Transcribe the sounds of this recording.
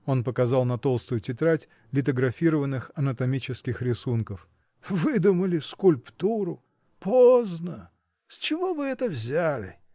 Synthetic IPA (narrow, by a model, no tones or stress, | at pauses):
o̞npəkɐzɑlˠnɐt̪o̞lˠst̪ʊjʊtʲɪt̪ɾatʲ | lʲɪt̪̬əɡɾɐfʲiɾəvənːɨxɐnət̪ɐmʲit͡ɕɪskʲɪxɾʲɪsunkəf | vɨd̪ʊməlʲɪskʊlʲpt̪uɾʊ | poznə | sʲt͡ɕɪvo̞vɨɛt̪əvzʲælʲɪ̰